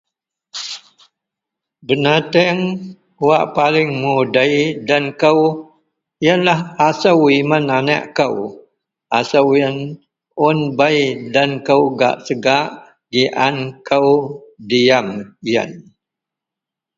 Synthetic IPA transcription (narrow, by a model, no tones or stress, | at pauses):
bənat̪əŋ | waʔpalɪŋmudəjdankəw | jənlahasawimanana̰ʔkəw | asəwən | ʊnbajdankəwɡa̰ʔsəɡaʔ | ɡiʔankəwdiamjə̰n